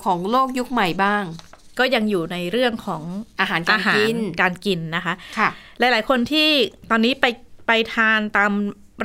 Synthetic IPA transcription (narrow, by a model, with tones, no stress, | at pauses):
kʰɔː˩˦ŋloː˥˩k̚ju˦˥k̚ma˨˩jbaː˥˩ŋkɔː˥˩ja˧ŋjuː˨˩na˧jɾɯ˥˩əŋkʰɔː˩˦ŋʔaː˧ɦaː˩˦nʔaʔaː˧ɦaːi˦˧nkaː˧nki˧nːa˦˥kʰa˦˥kʰla˨˦jlaː˩˦jkʰo˧nt̪ʰiː˥˩t̪ɔː˧nːiː˦˥pa˧jpa˧jt̪ʰaː˧nt̪aː˧m | ɾ